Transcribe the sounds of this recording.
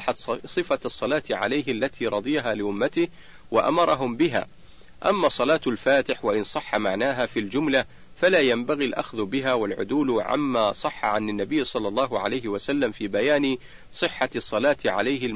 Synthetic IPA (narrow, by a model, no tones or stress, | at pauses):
ħat̪sˤɨfasˤːɑlaːt̪ʕa̰lajɦalːat̪ʰiːɾˤɑd̪ˤɨjɦaːlɪʔʊmːat̪ɪh | waʔa̰mɑɾˤɑɦʊmbɪɦa̰ː | ʔa̰mːaːsˤːɑlɑːt̪alfaːt̪ɪħwaʔɪnsˤɑħːamaʕnaːɦaːfiːld͡ʒʊmla | falaːjambaɣilʔa̰xðʊbɪɦaːwalʕʊ̰d̪uːlʕa̰mːaːsˤɑħːa̰ʕanɪnːabɪjːsˤɑlːɑlˤːɑːɦʊʕa̰lajɦɪwasalːamfiːbajaːnɪ | sˤɨħːasˤːɑlaːt̪ʕa̰lajhɪ